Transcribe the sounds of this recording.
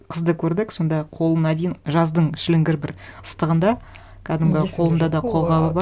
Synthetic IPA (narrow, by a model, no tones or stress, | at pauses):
qʰəzd̪əkʲʰɵɾd̪ɪkso̞nd̪ɑqʰo̞lˠənɑd̪ejɪnʒɑzd̪əɴʃɪlɪŋɡʲɪɾbɪɾəst̪əʁənd̪ɑ | kʲʰæd̪ɪmɡʲɪqʰo̞lˠənd̪ɑd̪ɑqʰo̞lˠʁɑbəbɑ